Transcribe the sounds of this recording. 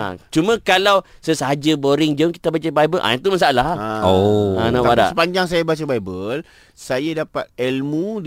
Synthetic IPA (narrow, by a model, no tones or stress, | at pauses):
a̰t͡ʃumãkalawsəsəɦad͡ʒəboɾiŋd͡ʒəŋki̥t̪abat͡ʃabajbəlʔa̰t̪umas̬aalaoanãwaada̰əpaɲd͡ʒaŋs̬ajabat͡ʃabajbəl | sajadapat̪̚ɛlmu